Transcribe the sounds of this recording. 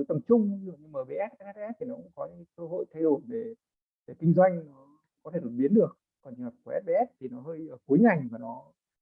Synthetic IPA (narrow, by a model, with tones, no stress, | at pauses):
jt̪ə˨˩mt͡ɕʊ˧ŋ͡mɨ˧˨əŋɲɨ˧ŋmaː˨˩ɓe˨˦ʔɛ˦˥t̚ɓɛ˦˥˧ɛ˦˥p̚t̪ʰi˨˩nɔ˨˦kʊ̰˧˥ŋ͡mkɔ˨˦ɲɨ̰˧˦˨kəː˧ɦo̰˧˨jt̪ʰa˧jɗo˧˩jve˧˨˩ | ve˧˨˩kï˧ŋ̟zwa˧jŋ̟nɔ˨˦ | kɔ˨˦t̪ʰe˧˩no˨˩t̚ɓi˨˦ənɗɨ˨˩ək̚ːɔ˨˩nt͡ɕwa˨˩kːʔɛ˦˥t̚ɓe˨˧ʔɛ˦˥t̚t̪ʰi˨˩nɔ˨˦ɦəː˧jʔəː˨˩ku˨˦jŋa˨˩jvaː˨˩nɔ˨˦